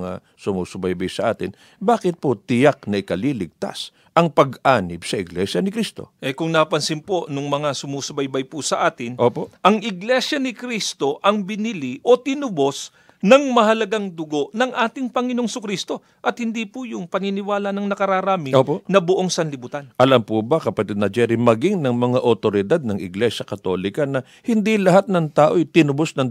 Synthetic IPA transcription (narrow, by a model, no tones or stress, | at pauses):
ŋa̰ | sʊmuːsʊbajbajsɐʔaːt̪ɪn | baːkɪt̪̚pot̪ɪjak̚nɐʔɪkɐliːlɪɡ̚t̪a̰s | ʔɐŋpɐɡaːnɪbsɐʔɪɡlɛʃjɐnɪkɾist̪o̞̰ʔɛkʊŋnɐpɐnsɪmpo̞nʊŋmɐŋasʊmuːsʊbɐjbɐjpʊsɐʔaːt̪ɪnʔoːpoʔɐŋɪɡlɛsjɐnɪkɾist̪o̞ʔɐŋbɪniliʔo̞t̪ɪnʊbo̞s | nɐŋmɐɦɐlɐɡaŋd̪ʊɡo̞ʔnɐŋʔaːt̪ɪŋpɐŋɪnoŋsʊkɾist̪o̞ | ʔɐt̪̚hɪnd̪ipʊjʊŋpɐŋinɪwaːlɐnɐŋnɐkɐɾaːɾaːmɪoːponɐbʊʔoŋsɐnlɪbut̪anʔɐlɐmpubɐkɐpɐt̪ɛd̪nɐd͡ʒɛɾimɐɡiŋnɐŋmɐŋaʔot̪oɾɪd̪ad̪̚nɐŋɪ̰ɡlɛʃɐkɐt̪o̞̰lɪkɐnɐ | hɪnd̪ilɐhat̪̚nɐŋt̪aːʔojt̪ɪnʊbosnɐŋ